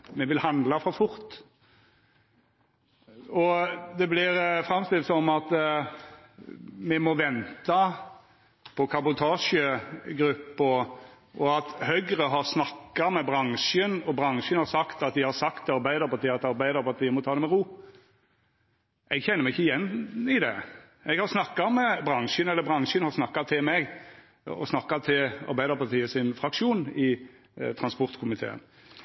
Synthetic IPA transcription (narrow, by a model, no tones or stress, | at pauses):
mɛʋɪlhɑnd̪lɑfɔɾfʊɾt̪ | ɔd̪ɛblɪɾfɾɑmst̪ɪlt̪sɔmɑt̪ | mɛmɔʋɛnt̪ɑ | pʰɔkʰɑbʊt̪ʰɑːʂəɡɾʉpːɔ | ʔɔɑt̪hœɡɾəɦɑʁsnɑkːɑmɛbɾɑŋʂənɔbʁɑŋʃənhɑɾsɑkt̪ɑt̪̚d̪ɪhɑɾsɑkt̪ɑɾbæɪd̪əɾpɑɾt̪iːɑt̪ɑɾbæɪd̪əɾpʰɑɾt̪ʰiːəmɔt̪ʰɑːd̪ɛmɛɾuː | ɛɡçɛnːəmɛɪçːəɪjɛnːɪd̪ɛ̰ | ɛɡhɑɾsnɑkːɑmɛbɾɑŋʃənɛlːəɾbʁɑŋʃənhɑɾsnɑkːɑt̪ʰɪlmɛɡ | ɔ̰snɑkːɑt̪ʰɪlɑ̰ɾbæɪd̪əɾpɑɾt̪ʰiːəsɪnfɾɑkʂuːnɪ | t̪ʰɾɑnspɔɾt̪kʰʊmɪt̪ʰḛːə̰n